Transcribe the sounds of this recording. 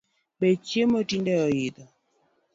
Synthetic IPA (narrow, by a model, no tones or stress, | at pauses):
bet͡ʃjemotindɛɔɪd̪ɔ